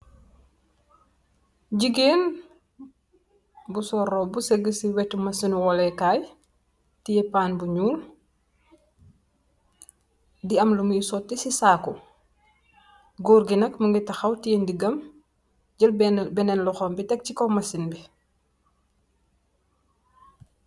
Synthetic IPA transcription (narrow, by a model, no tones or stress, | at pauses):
ɟiɡeːn | busɔɾɔbusɛɡəsiwɛtːumɐsinuwɔlɛkaːj | tijɛpaːnbuɲuːl | diɐmlumjisɔtːisisaːko | ɡoːɾɡinɐkməŋɡitɐxɐwtiendiɡɐm | ɟəlbɛnɛnlɔxɔmbitɛk̚cikɔmɐsinbi